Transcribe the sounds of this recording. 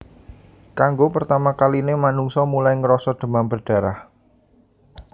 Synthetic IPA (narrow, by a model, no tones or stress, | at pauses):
kaŋɡopərt̪amakalinemanuŋsɔmulajŋəɾɔsɔd̪̥ə̤mambərɖ̥a̤ɾah